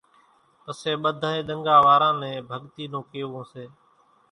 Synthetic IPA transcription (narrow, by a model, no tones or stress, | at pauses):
p̪əseːɓəd̪ʱaːẽːɗ̪əŋɡaːʋaːɾãːnɛ̃ːbʱəɠt̪iːnõːkeːõːseː